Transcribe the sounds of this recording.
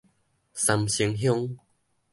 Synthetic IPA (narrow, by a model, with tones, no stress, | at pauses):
sa˧mɕi˧˦ŋɦjɔ˦ŋ